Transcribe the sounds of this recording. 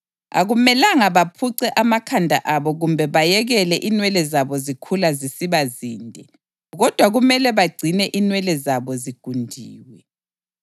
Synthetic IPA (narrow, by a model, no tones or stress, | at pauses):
a̰ɣumɛlaŋaβapʰuǀɛʔamakʰandʱa̰ʔaβɔɣumbʱɛβajɛɣɛlɛʔinwɛlɛzaβɔzikʰulazisiβaziːndʱɛ | ɣɔd̥ʱwaɣumɛlɛβaɡ͡ǀʱinɛʔinwɛlɛzaβɔziɡ̥ʱundʱiːwɛ